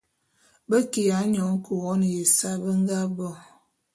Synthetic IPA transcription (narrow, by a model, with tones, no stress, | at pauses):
bə˦ki˨ja˨˦ɲɔ˨˦ŋ˦kə˨wɔ˦n˨je˨sa˦bə˦ŋ˦ɡa˦bɔ˦˨